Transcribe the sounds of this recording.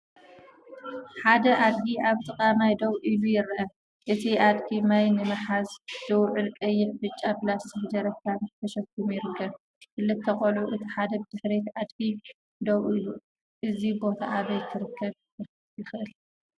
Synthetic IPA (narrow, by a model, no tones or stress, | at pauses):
ħad̪ɐʔad̪ɡiʔaβt̪ʼɨkʼamajd̪owʔilujɪɾʔɐ | ʔɨt̪ʰiʔad̪kʰimajnɨmɨħazd̪̥ɨwʕɨlkʼɐjːɪʕbɨt͡ʃʼːabɨlassʰɨħd͡ʒɐɾɐkʰːamɨt̪ʰɐʃɐkːumjɪɾɨkʰːɐβ | kɨlːɨt̪ʰːɐχʼɐluʔɨt̪ʰiħad̪ɐbɨd̪̥ɨħɾet̪ad̪kʰi | d̪owʔilu | ʔɨzibo̞t̪ʰa̰ʔaβɐjt̪ʰːɨɾɨkʰːɐβ | jɪxʔɨl